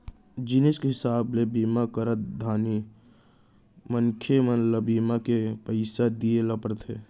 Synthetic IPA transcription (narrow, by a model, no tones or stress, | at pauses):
d͡ʒɪnɪskɦɪsaːblebiːmakəɾət̪̚d̪ʱaːni | məŋkʰemənləbiːmakepəɪsad̪ijeləpəɾt̪ɦeː